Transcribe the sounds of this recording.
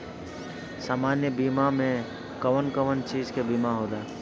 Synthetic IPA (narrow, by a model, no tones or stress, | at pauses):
saːmaːnjəbiːmamẽ | kəʋənkəʋənt͡ʃiːd͡ʒkebiːmaɦoːlaː